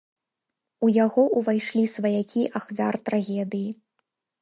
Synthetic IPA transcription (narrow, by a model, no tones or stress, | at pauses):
ujaɣɔʔuvajʂlʲisvɐjakʲiʔaxvʲart̪ɾaɣʲɛd̪ɨji